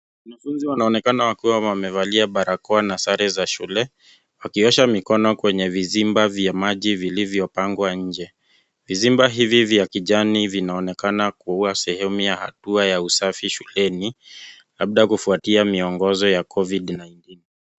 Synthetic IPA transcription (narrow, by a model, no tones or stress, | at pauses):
wanafunziwanaɔnɛkanawakiwawwamɛvaliaɓaɾakɔanasaɾɛzaʃulɛ | wakiɔʃamikɔnɔkwɛɲɛvizimbavjamaʄivilivjɔpaŋɡwaɲ̩d͡ʒɛ | vizimbaɦivivjakiʄanivinaɔnɛkanakuuasɛhɛmujaha̰tuajausafiʃulɛni | laɓɗajkufuatiamiɔŋɡɔzɔjakʰɔvidnajntini